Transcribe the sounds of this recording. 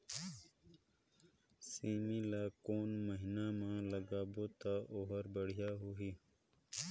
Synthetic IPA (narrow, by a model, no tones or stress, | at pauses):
siːmilaːkoːnməɦinãːmãːləɡaːboːt̪aʔoɦəɾbəɽ̤ijaːɦoɦiː